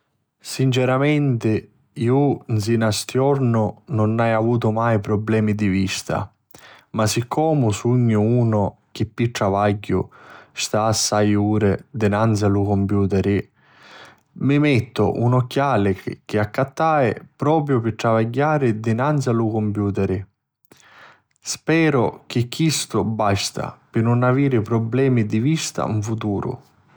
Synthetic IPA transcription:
sint͡ʃɛɾamɛnt̪ɪ | iuns̬inast̪jɔɾnʊnʊnajavuːt̪̬ʊmajpɾɔblɛːmid̪ivist̪a̰ | masikʰːɔːmʊsuɲːʊuːnʊ | k̟ɪpːiʈ̪ɾavaɟːʊ̰st̪aːsːajuːɾɪd̪ɪnansalukɔmpjuːt̪ɛɾɪ | mɪmɛt̪ːʊ̰ʔunɔkːjaːlɪk̟ɪakːat̪ːaːɪ̰pɾɔːpɾjʊpɪt̪ɾavaɟːaːɾɪd̪ɪnant̪salukompjuːt̪ɛɾɪ | spɛːɾʊk̟ɪkːist̪ʊbast̪a̰pɪnʊnaviːɾɪpɾɔblɛːmid̪ivist̪a̰ṵɱfut̪uːɾʊ̰

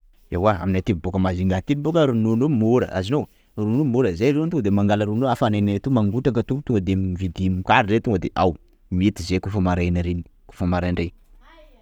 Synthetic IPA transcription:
ewaa̰minat̪ivbokəmaziŋɡat̪inibokəɾununomuɾə̰ʔa̰zinow | ɾunumuɾəzaɾewant̪ud̪emaŋɡalaɾunoafanananet̪umaŋɡuʈ͡ʂakat̪uput̪uŋəd̪emvid̪imkaɾɾet̪uŋɡd̪eʔaw | miit̪izekufəmaɾajnaɾeni̥ku̥fəmaɾaɳɖ͡ʐe

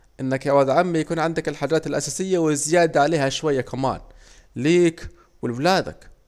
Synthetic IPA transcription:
ʔɪnːakawad̪ʕamːijakuːnʕɪnd̪akɪlħaːd͡ʒaːt̪ɪlʔasaːsɪjːawɪzɪjaːd̪aʕaleːhaʃwajːakʰama̰ːn | liːk | wɪlblaːd̪a̰k

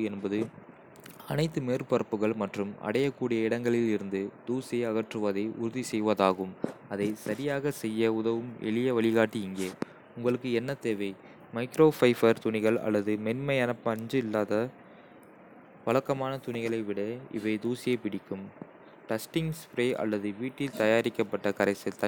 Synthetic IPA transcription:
ɛnbɐðɯ | ɐnɐɪt̪ːɯmeːɾpɐɾɐpːɯɣɐɭmɐʈrɯmɐ̰ɽɐjɐkːuːɽɪjɐɪɽɐŋɡɐɭɪlɪɾɯnd̪ɯd̪̥uːsiɐɣɐʈrɯʋɐðɐɪʔʊ̰ɾʊðisɛjʋɐðaːɣɯmɐðɐɪsɐɾɪjaːɣɐsɛjːɐʊðɐʋɯmʔɛ̰ɭɪjɐʋɐɭɪɣaːʈːiɪŋɡeː | ʊŋɡɐɭɯkːɯɛnːɐt̪eːʋɐɪ | mɐɪkɾoːfɐɪfɐɾt̪ʊnɪɣɐɭɐ̰lːɐðɯmɛnmɐɪɐnɐpːɐɲd͡ʒɯɪlːaːðɐ | ʋɐɭɐkːɐmaːnɐt̪ʊɳɪɣɐɭɐɪʋɪɽɐɪ̰ʋɐɪd̪uːsɪjɐɪpɪɽɪkːɯm | ʈɐsʈɪŋspɾeːʔɐ̰lːɐðɯʋiːʈːɪlt̪ɐjaːɾɪkːɐpːɐʈːɐkɐɾɐɪsɐt̪ːɐ

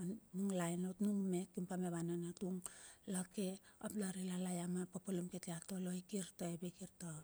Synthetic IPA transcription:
anuŋlajnotnuŋmekːimpameβananatuŋlakeaplaɾilalajamapapolumketeatoloikiɾtoebekiɾta

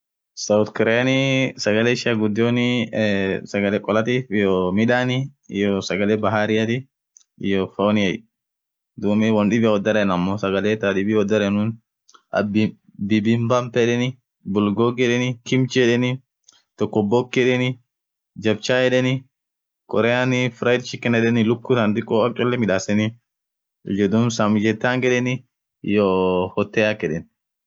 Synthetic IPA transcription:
sɐwt̪kɪɾajnɪsɐɡɐleːɪʃɪɐɡʊd̪ːonɪ | sɐɡɐlɛːkʼɔlɐt̪iːfɪjoːmɪᶑaːnɪɪ̰josɐɡɐleːbɐɦaːɾɪjɐt̪ɪ | ɪjofonɪɛj | d̪uːmɪwɐnᶑɪbɪwɔd̪ːɐɾɛnɐmːoːsɐɡɐleːt̪aᶑɪbɪwɔd̪ːɐɾɛnʊːn | ɐ̰bɪ | bɪbɪmbɐmpɛᶑɛnɪ | bʊlɡoɡɛᶑɛnɪkɪmt͡ʃɛᶑɛnɪ | t̪ɔkːɔbɔkːɛᶑɛnɪ | d͡ʒɐbt͡ʃaːjɛᶑɛnɪ | kʼɔɾɛanɪfɾɐjɪd̪ʃɪkːɛnɛᶑɛnɪlʊkːʊsɐnd̪ɪkʼːɔɐkʼːɔlːɛmɪᶑaːsɛnɪ | ʊd͡ʒɛd̪ʊnsɐmd͡ʒɛt̪ːaːŋɡɛᶑɛnɪ | joːhɔt̪ːɛːakːɛᶑɛn

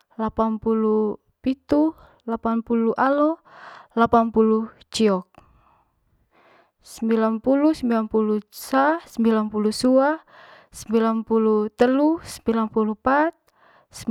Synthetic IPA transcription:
lapanpulu | pit̪u | lapanpuluʔalɔlapanpulu | t͡ʃiɔk̚ | səmbilanpulusəmbilanpulusasəmbilanpulusua | səmbilanpulut̪əlusəmbilanpulupat̪̚ | sə

